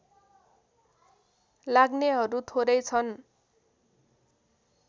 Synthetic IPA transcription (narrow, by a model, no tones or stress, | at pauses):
laɡneɦʌɾut̪ʰoɾʌjt͡sʰʌn